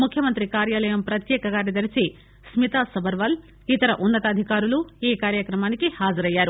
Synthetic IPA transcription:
mukʰjɐmɐnt̪ɾikaːɾjaːlɐjɐmpɾɐt̪jɛːkɐɡaːɾnid̪ɐɾit͡ʃi | smit̪aːsɐbʱɐɾʋɐl | it̪ɐɾɐʔunːɐt̪ɐːd̪ʱikaːɾulueːkaːɾjɐkɾɐmaːnikihaːd͡ʒɐɾɐjːaːɾu

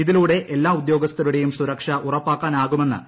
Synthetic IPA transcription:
iðiluːɽe̞ʔelːaːud̪jo̞ːɡɐst̪ːɐɾuɽe̞jumsuɾɐkʂɐʔurɐpːaːkːaːnaːɣume̞nːɨ̰

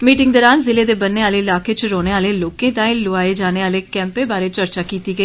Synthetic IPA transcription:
miːʈɪ̃ŋɡd̪ɔːɾaːnzɪleːd̪eːbənːeːaːleːɪlaːkʰeːt͡ʃɾoːneːaːleːloːkẽːt̪ãːĩːlʊaːeːd͡ʒaːneːaːleːkɛ̃ːmpeːbaːɾeːt͡ʃəɾt͡ʃaːkiːt̪iːɡəiː

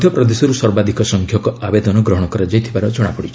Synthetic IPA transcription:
d̪ʱjɔpɾɔd̪esɔɾuswɔɾbad̪ʱikɔsɔŋkʰjɔkɔabed̪ɔnɔɡɾɔɦɔɽ̃ɔkɔɾɔd͡ʒajt̪ʰibaɾɔd͡ʒɔɽ̃apɔɽit͡ʃʰ

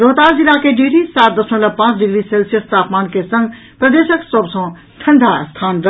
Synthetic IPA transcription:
ɾoːt̪aːɾzilakeɖeːɾisaːt̪̚d̪ɐsõlɐpãːt͡sɖɪɡɾiseːlsijəst̪aːpmaːnkʰesɐ̃ŋɡ | pɾɐd̪eːʃəksobsɔ̃ | ʈʰɐ̃ɳɖ̪ʱast̪ʰaːnɾɐ

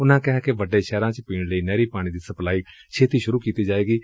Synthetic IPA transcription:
ʊnãːkɪɦaːkeʋəɖeːʃɛːɾãːt͡ʃpiːɽləiːnɛːɾiːpaːɽ̃ĩːd̪iːsəplaːiː | t͡ʃʰeːt̪iːʃʊɾuːkiːt̪iːd͡ʒaːʋeːɡiː

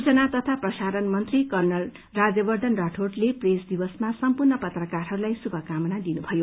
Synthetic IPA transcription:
ut͡sʌnat̪ʌt̪ʰaprʌsaɾʌnmʌnt̪rikʌrnʌl | rad͡zʌbʌrd̪ʱʌnraʈʰorʈlepresd̪ibʌsmasʌmpurnʌpʌt̪rʌkarɦʌɾulajsubʱʌkamʌnad̪inubʱʌjo

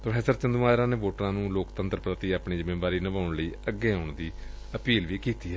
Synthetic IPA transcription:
pɾəfʰɛːsəɾt͡ʃənd̪uːmaːɾãːneːʋoːʈɾãːnũːloːkt̪ənt̪ɾəpɾət̪iːaːpɳiːd͡ʒəmẽːbaːɾiːnəbaːʊɳləiːəɡːeːaʊɳd̪iː | əpiːlʋiːkiːt̪iːɛː

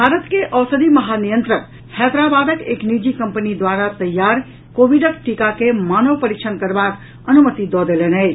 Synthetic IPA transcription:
bʱaɾət̪keʔəwsəd̪iməɦanijənt̪ɾən | hɛd̪ɾabad̪əkeknid͡ʒikəmpənid̪waɾat̪əjːaɾ | kobʱiɖəkʈikakemanəwpəɾik̚t͡ʃʰənkəɾbak | ənumət̪id̪ɔd̪elenəɪt͡ʃʰ

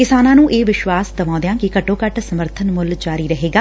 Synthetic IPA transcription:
kɪsaːnãːnũːʔeːʋɪʃwaːsd̪əʋãːd̪ejãːkɪkəʈõːkəʈsəməɾt̪ʰənmʊld͡ʒaːɾiːɾəɦeːɡaː

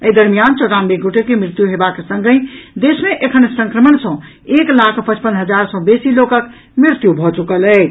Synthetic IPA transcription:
əjd̪əɾmijant͡ʃoʈambeɡoʈekemɾɪt̪juɦebaksə̃ŋɡəd̪esmeʔekʰənsə̃ŋkɾəməɳsə̃ | eklakʰpət͡ʃpənɦəd͡ʒaɾsə̃besilokək | mɾiɾt̪jubʱɔt͡ʃukələ

